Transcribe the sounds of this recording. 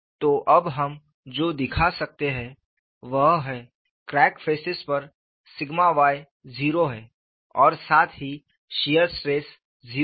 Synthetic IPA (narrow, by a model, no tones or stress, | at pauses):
t̪oːʔɐbɦɐm | d͡ʒoːd̪ɪkʰasɐk̚t̪eɦɛ̃ | ʋɐɦɦɛː | kɾɛːkfʰeːsɪspɐɾ | sɪɡmaʋaːe | ziːɾoɦɛː | ɔːɾsaːt̪ʰɦi | ʃijəɾsʈɾeːs | ziː